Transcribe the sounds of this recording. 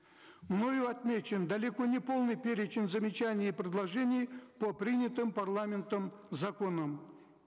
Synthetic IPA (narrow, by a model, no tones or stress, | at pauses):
mno̞jʊɐt̪mʲet͡ɕɪnd̪ɐlʲɪko̞nʲɪpo̞lˠnɨjpʲeɾʲɪt͡ɕɪnzəmʲɪt͡ɕanʲɪjpɾʲɪd̪lˠɐʐɛnʲɪjpopɾʲinʲɪt̪ɨmpɐrlˠamʲɪnt̪əmzɐko̞nəm